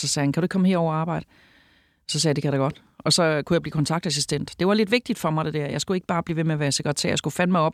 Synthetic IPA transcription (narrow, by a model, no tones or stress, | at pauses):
sɒ̽sɛːhænkʰæɾue̝ɡ̥̚kʰɒ̽məhe̝ɐɒʊɑ̈ːb̥ɑ̈ɪd̥ə | sɒ̽sɛːjde̝kʰæɾɑ̈ɡ̥ɒ̽d̥ | ɒ̽sɒ̽kʰujɑ̈bliːkʰɒnt͡sʰɑ̈ɡ̥d̥æs̬isd̥en̰d̥d̥e̝ʋɑ̈le̝d̥ʋeɡ̚d̥id̥fɒ̽mɑ̈ɪd̥e̝d̥æɐ̰jɑ̈ɪsɡ̥ue̝ɡ̥əb̥ɑ̈ːb̥liːʋe̝meæʋæːɐse̝ɡ̥ʁt͡sʰæ̰ɐ̰jaɪsɡ̥ufænmɑ̈ɪɒ̽b̥